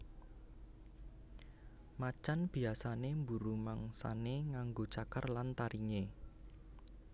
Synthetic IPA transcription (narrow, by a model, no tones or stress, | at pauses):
mat͡ʃanb̥i̤asanembuɾumaŋsa̰neŋaŋɡot͡ʃakərlant̪aɾiŋe